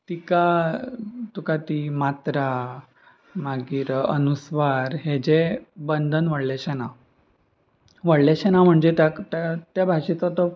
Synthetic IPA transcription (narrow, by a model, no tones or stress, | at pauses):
t̪ika | t̪ukat̪imat̪ɾa | maɡiɾənusʋaɾɦed͡ʑebənd̪ʱənʋəɽleɕɛna | ʋəɽleɕɛnam̤əɳd͡zet̪akt̪at̪jabʱaɕit̪ɔt̪ɔ